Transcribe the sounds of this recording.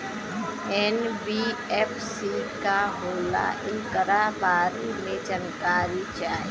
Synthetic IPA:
ɛnbiɛpʰsikaɦoːla̰ʔɪnkəɾabaːɾimẽd͡ʒənkaːɾit͡ʃaːe

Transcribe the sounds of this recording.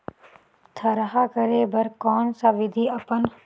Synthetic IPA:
t̪ʰɐɾɐɦakɐɾebɐɾkɔːnsaʋɪd̪ʱiɐpən

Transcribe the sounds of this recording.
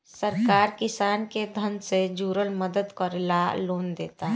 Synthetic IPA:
səɾkaːɾkɪsaːnked̪ʱə̃nsed͡ʒuːɾəlməd̪əd̪kəɾɪlaloːnd̪eːt̪aɦ

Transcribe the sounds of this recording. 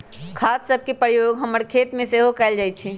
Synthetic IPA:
kʰassəb̚ʱkepɾəjoɡɦəməɾkʰet̪mẽseɦokɛɪld͡ʒajt̪t͡ʃʰi

